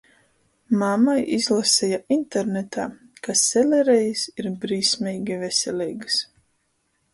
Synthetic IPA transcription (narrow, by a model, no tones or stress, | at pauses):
mamajizlˠasɛjaʔint̪ɛɾnet̪aː | kʰasɛlʲɛɾɛjisiɾbɾiːsmʲɛjɡʲivɛsʲɛlʲijɡɨs